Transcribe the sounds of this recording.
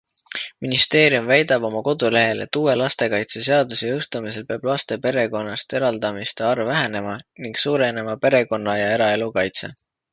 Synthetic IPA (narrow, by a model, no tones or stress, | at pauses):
minist̪e̞ːɾiumvæjd̪̥ɑb̥o̞mɑko̞d̪ule̞ɦe̞le̞̰t̪ːuːwe̞lɑst̪e̞kɑjt̪se̞se̞ɑd̪useɤwst̪umise̞lpeɑb̥lɑst̪e̞pe̞ɾe̞ko̞nːɑst̪e̞ɾɑld̪̥ɑmist̪eɑrvæɦe̞ne̞mɑniŋɡ̥suːɾe̞ne̞mɑpe̞ɾe̞ko̞nːɑjɑe̞ɾɑe̞lukɑjt̪se̞̰